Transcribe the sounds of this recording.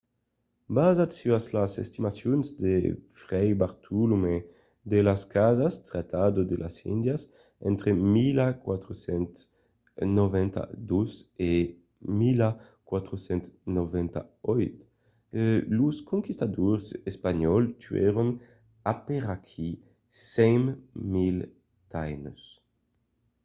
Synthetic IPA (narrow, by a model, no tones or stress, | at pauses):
bazat̪syaslasḛst̪imasjonzd̪efɾɛjbaɾt̪ʰulume | d̪elaskazast̪ɾat̪ʰad̪od̪elʔa̰sḭnd̪jas | ɛ̰nt̪ɾemilakwat̪ɾosɛnt̪ | novɛnt̪a̰d̪uze | mila | kwat̪ɾosɛnt̪novɛnt̪a̰ɔjt̪ | luskoŋkist̪ad̪oɾsespaɲɔlt̪yɛ̰ɾon | apeɾakʰi | sɛŋmmil | t̪ajnos